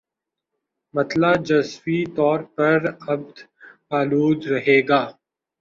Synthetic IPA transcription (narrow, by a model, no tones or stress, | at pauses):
mɐt̪laːd͡ʒɐswit̪ɔːɾpɐɾɐb̚d̪aːluːd̪ɾɐɦeːɡaː